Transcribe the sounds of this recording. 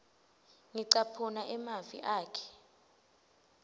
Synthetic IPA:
ŋiǀapʰunaʔɛmavḭʔaːkʰɛ̥

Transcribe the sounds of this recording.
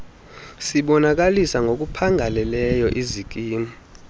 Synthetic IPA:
siɓɔnak̬alisaŋʱok̬ʼupʰaŋʱalɛlɛjɔʔizik̬ʼiːmɔ

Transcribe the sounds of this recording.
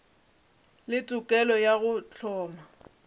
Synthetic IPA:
lɪtʼʊkʼɛlɔjaɣʊt͡ɬʰɔːma

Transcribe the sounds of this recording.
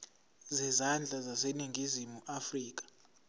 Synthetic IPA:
zɛzand͡ɮʱazaseniŋɡʱizimuʔafriːk̬ḁ

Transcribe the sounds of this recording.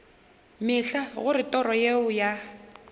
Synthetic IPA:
mɪɬaɣʊɾɪtʼɔrɔjeʊja

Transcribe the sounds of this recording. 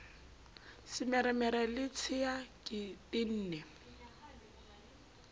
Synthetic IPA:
sɪmɛɾɛmɛɾɛlɪt͡sʰɪakʼɪtʼɪn̩ːnɛ

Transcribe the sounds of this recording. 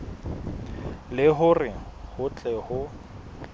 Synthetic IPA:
lɪɦʊrɪhʊt͡ɬʼɛhʊ

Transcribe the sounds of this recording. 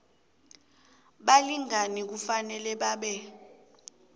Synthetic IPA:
ɓaliŋanik̬ufanɛlɛɓaːɓɛ

